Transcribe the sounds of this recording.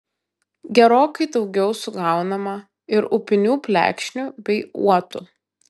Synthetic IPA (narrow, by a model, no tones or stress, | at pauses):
ɡʲɛɾoːkɐɪd̪ɒʊɡʲɛʊsʊɡɑˑʊnɐmɐ | ɪɾʊpʲɪnʲuːpʲlʲæ̰ːkʃʲnʲubʲɛɪṵɔt̪ʊ